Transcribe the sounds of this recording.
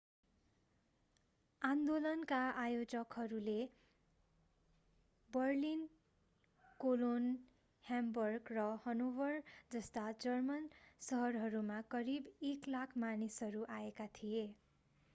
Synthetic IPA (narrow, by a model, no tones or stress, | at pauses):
and̪olʌnkaʔajod͡zʌkɦʌɾule | bʌrlin | kolon | hambʌrɡrʌhʌnobʌrd͡zʌst̪ad͡zʌrmʌnsʌɦʌrɦʌɾumakʌɾibeklakʰmanisɦʌɾuʔaekat̪ʰije